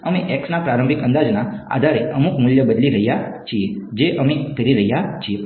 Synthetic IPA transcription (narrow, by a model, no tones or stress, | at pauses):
əmĩʔeksnapɾaɾə̃mbʱikə̃nd̪ad͡ʒnaa̰d̪ʱaɾeəmukmuljəbəd̪liɾəɦijat͡ʃʰied͡ʒeʔəmĩkəɾiɾəɦijat͡ʃʰie